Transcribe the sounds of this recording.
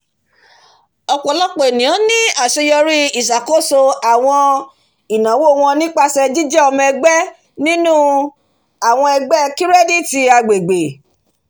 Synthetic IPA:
ɔ˨k͡pɔ˨lɔ˦k͡pɔ˨e˨nĩ˨ã˨˦nĩ˦a˨ʃe˧jɔ˧ɾi˦i˦˨s̬a˨ko˦so˧a˨w̃ɔ̃˧ | i˨nã˨wo˦˨w̃ɔ̃˧nĩ˦k͡pa˧sɛ˧d͡ʒi˦d͡ʒɛ˦ɔ˧mɛ̃˧ɡ͡bɛ˦ | nĩ˦nũ˦ | a˨w̃ɔ̃˧ɛ˧ɡ͡bɛ˦ki˦ɾɛ˦di˦ti˧a˧ɡ͡be˨ɡ͡be˨

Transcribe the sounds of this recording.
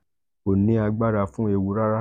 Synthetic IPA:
o˨nĩ˨˦a˧ɡ͡ba˦ɾa˧fũ˦e˧wu˧˦ɾa˦ɾa˦

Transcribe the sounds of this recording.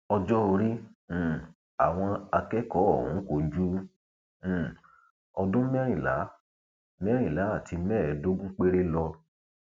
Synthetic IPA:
ɔ˧d͡ʒɔ˦o˧ɾĩ˦˨ | a̰˨w̃ɔ̃˧a˧kɛ˦kɔ˦ɔ˦˨hṵ̃˨˦ko˨d͡ʒũ˦˨ | ɔ˧dũ˦mɛ˦ɾ̃ĩ˦˨la̰˨˦ | mɛ˦ɾ̃ĩ˦˨la˨˦a˦˨tʰi˧mɛ˦˨˦do˦ɡũ˦k͡pe˦ɾe˦lɔ˧

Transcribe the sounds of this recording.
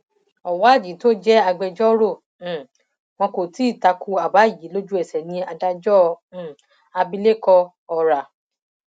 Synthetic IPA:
ɔ˨wa˨˦˨d͡ʒi˨˦to˦d͡ʒɛ˦a˧ɡ͡bɛ˧d͡ʒɔ˦ɾõ˦˨ | mɔ̃˧ko˨ti˨˦i˦˨ta˧ku˧a˨ba˨˦˨ji˨˦lo˦d͡ʒu˦ɛ˨sɛ˨nĩ˧a˧da˧d͡ʒɔ̃˦˧˨ | a˧bi˧le˦kɔ˧ | ɔ˧ɾa˨

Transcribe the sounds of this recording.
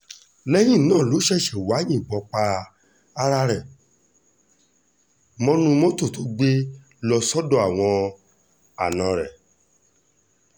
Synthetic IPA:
lɛ˦j̃ĩ˦˨nãː˦˨lo˨˦ʃɛ˦˨ʃɛ˨wa˨˦jĩ˦˨bɔ˧k͡pa˧ | a˧ɾa˧ɾɛ˨ | mɔ̃˦nũ˧mõ˦to˦˨tʰo˨˦ɡ͡be˦ | lɔ˧sɔ˦dɔ̃˧˦a˨w̃ɔ̃˧ | a̰˨nã˨˧ɾɛ̰˨

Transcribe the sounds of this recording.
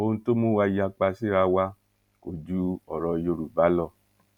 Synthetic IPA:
o˧ñ̩˧to˦mũ˦wa˧ja˧k͡pa˧si˦˨ɾa˧wa˧˦ | o˨d͡ʒu˧˦ɔ˨ɾɔ˧jo˧ɾu˨ba˨˦lɔ˦˨

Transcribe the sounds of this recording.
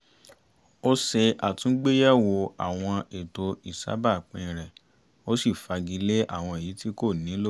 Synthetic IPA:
o˦se˧a˨tũ˨˦ɡ͡be˦jɛ˦wo˧a̰˨w̃ɔ̃˧e˨to˧i˨sa̰˨˦ba˦˨k͡pĩ˧˨ɾɛ˨ | o˦si˦˨fa˧ɡi˧le˦ʔa̰˦˨w̃ɔ̃˧e˨ji˨˦ti˦ko˦˨nĩ˨˦lo˦

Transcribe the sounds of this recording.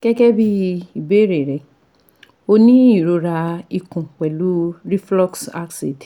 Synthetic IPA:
kɛ˦kɛ˦bi˦i˨be˦ɾe˨ɾɛ˨ | o˧nĩ˦i˦˨ɾo˨˧ɾa˧i˧kũ˨k͡pɛ˨lu˨˦ɾi˦flɔ˦ksa˦kse˨t

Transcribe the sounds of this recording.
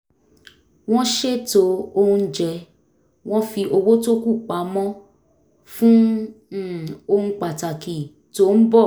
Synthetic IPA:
w̃ɔ̃˦ʃe˦to˧o˧hũ˧˦d͡ʒɛ˧ | w̃ɔ̃˦fi˧ʔo˧wo˦to˦ku˦˨k͡pa˨˦mɔ̃˦ | fũ˦˨ | o˧hũ˧k͡pa˨ta˨ki˨ | to˦n̩˦bɔ˦˨

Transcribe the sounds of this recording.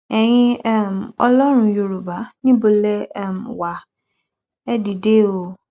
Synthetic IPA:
ɛ˨jɪ̃˦ɛ˦m˨ɔ˦lɔ˦ɾʊ̃˨jo˨ɾu˨ba˨nĩ˦bo˨le˦˨mwa˨ | ɛ˦di˨de˦wo˨

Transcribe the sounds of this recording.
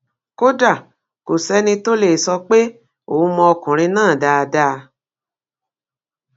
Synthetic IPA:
ko˦da˦˨ | ko˨sɛ˦nĩ˧to˦le˦˨sɔ˧k͡pe˦ | o˨u˦mɔ̃˧ɔ˧kɔ̃˨ɾ̃ĩ˧nãː˦˨da˧da˦˧

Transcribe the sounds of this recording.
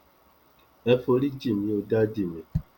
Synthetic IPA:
ɛ˦fo˧ɾi˦d͡ʒi˦˨mĩ˨˦o˧da˦di˦˨mĩ˨

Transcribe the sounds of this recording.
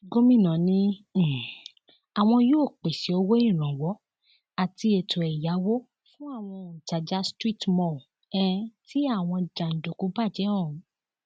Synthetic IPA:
ɡo˦mĩ˦˨nã˨nĩ˦˨ | a˨w̃ɔ̃˧joː˦˨k͡pe˨si˨˦o˧wo˦ĩ˦˨ɾ̃ã˨wɔ˨˦ | a˨ti˧e˨tʰo˨ɛ˨ja˨˦wo˦ | fũ˦a˦˨w̃ɔ̃˧˨ñ̩˨ta˨d͡ʒa˨˦stɾi˦˨tmɔ̃˦˨ | ɛ˦tʰi˦a˦˨w̃ɔ̃˧d͡ʒa˨n̩˨do˨ku˨˦ba˦˨d͡ʒɛ˨˦ɔ̃˦˨˦

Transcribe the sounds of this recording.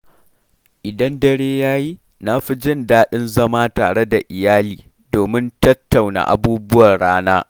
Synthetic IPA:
ʔɪ˨dɐ˦ndɐ˦ɽeː˦jaː˦ji˦ | na˦ɸi˦d͡ʒɪ˦ndaː˦ɗɪ˦nzɐ˦maː˦taː˨ɽe˦da˨ʔɪ˨jaː˦liː˨ | doː˨mɪ˦ntɐ˦tːa˨wna̰˨ʔa̰˨buː˦bʊ˦wɐ˨rɽaː˦naː˦

